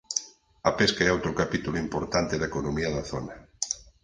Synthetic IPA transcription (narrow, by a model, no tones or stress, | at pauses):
ɐpeskɐɛowt̪ɾʊkapit̪ulʊimpoɾt̪ant̪ɪðɐekonomiɐðɐθo̰nɐ